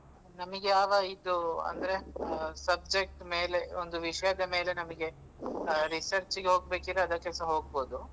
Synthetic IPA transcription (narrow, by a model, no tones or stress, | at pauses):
nɐmɐɡejaːʋɐid̪uɐ̰nd̪ɐɾe̞sɐb̚d͡ʒek̚ʈme̞ːle̞ond̪uʋiʂɐjɐd̪ɐme̞ːle̞nɐmɐɡe̞ | ɾisɐɾt͡ʃiɡeɦoːɡ̚be̞ːkid̪ɾeɐd̪ɐkːɛlsɐɦo̞ːɡ̚bo̞ːd̪u